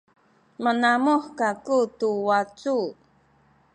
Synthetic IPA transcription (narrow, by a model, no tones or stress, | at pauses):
mənamuħkakutuwat͡su